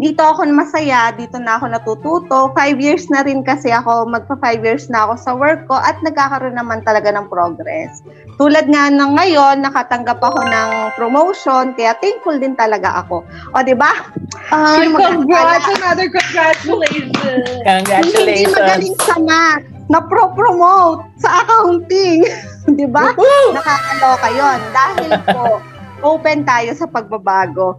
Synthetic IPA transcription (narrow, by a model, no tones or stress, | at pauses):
d̪iːt̪o̞ʔɐko̞nɐmɐsɐjad̪iːt̪o̞nɐʔɐko̞nɐt̪uːt̪uːt̪o̞fajbjiɹsnɐɾɪnkɐsɛʔɐko̞mɐɡ̚pɐfajbjiɹsnɐɐko̞sɐwɛɹkːo̞ʔɐt̪̚nɐɡ̚kaːkɐɾonːɐmant̪ɐlɐɡanɐŋpɾoɡɾɛ̰s | t̪uːlɐd̪̚ŋanɐŋɐjo̞nːɐkat̪ɐŋɡapɐko̞nɐŋpɾomowʃo̞nkɐjat̪ɛŋkfʊld̪ɪnt̪ɐlɐɡa̰ʔɐ̰ko̞ | ʔod̪ɪbaanmɐɡaɐnad̪ɪkoŋɡɾat͡ʃʊlejʃoɐŋɡɾaɪlnimɐɡɐlɪŋsɐma | nɐpɾopɾomowt̪̚sɐʔakɐhʊlpɪŋ | d̪ɪbanɐkaːʔɐd̪okɐjo̞nd̪aːhɪlko | ʔoːpɛnt̪aːjo̞sɐpɐɡ̚bɐbaːɡo̞